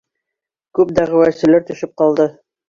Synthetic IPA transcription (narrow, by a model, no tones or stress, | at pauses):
kʉp̚d̪æʁɘ̆wæsɘ̆læɾt̪ɵ̆ʃɘp̚qɑlˠd̪ɤ